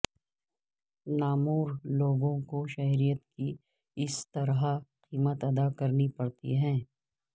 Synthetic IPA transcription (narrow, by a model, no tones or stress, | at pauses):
naːmuːɾloːɡõkoʃɐɦɾijət̪ki | ɪst̪ɐɾɦaqiːmət̪ɐd̪akɐɾnipɐɽt̪ḭɦɛ̃ː